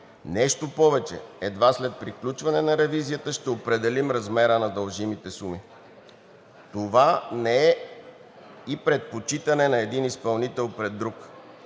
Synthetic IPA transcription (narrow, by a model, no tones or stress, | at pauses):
nɛʃt̪opɔvɛt͡ʃɛ̰ɛd̪vaslɛt̪̚pɾiklʲut͡ʃvɐnɛnɐɾɛvizijət̪əʃt̪ɛopɾɛd̪ɛlimɾɐzmɛɾənɐd̪ɐlˠʒimit̪ɛsumi | t̪ovanɛɛ | ipɾɛt̪̚pot͡ʃit̪ɐnɛnɐɛd̪inispɐlˠnit̪ɛlˠpɾɛd̪ːɾuk